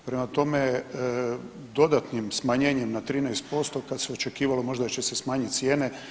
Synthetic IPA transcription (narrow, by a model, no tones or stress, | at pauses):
pɾemat̪o̞me | d̪o̞d̪at̪nimsmaɲeːɲemnat̪ɾiːnɛjst̪̚po̞st̪o̞kad̪seo̞t͡ʃe̞kiːʋalo̞mo̞ʒd̪at͡ʃe̞sesmaːɲit̪sjeːne